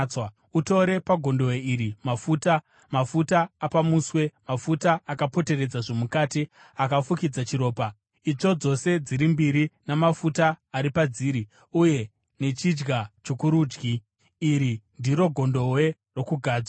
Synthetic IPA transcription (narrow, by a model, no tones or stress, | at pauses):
wa | uto̞ɾe̞paɡʱo̞ndo̞weiɾimafuːta | mafutaːpamuːswe̞mafutaakapo̞te̞re̞d͡zaʐo̞mukaːti | akafukid͡zat͡ʃiɾo̞ːpa | it͡ʂo̞d͡zo̞se̞d͡ziɾimbiɾinamafutaːɾipad͡ziːɾi | uje̞ | ne̞t͡ʃid͡ʒɡat͡ʃokuɾuːd͡ʒɡiː | ɾindiɾo̞ɡʱo̞ndo̞we̞ | ro̞kuɡʱaːd͡zwa